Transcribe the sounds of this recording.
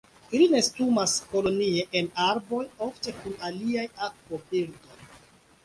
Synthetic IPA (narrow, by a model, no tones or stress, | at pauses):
iline̞stumasko̞lo̞nieʔenaɾbo̞jofte̞kunaliajakvopiɾdo̞j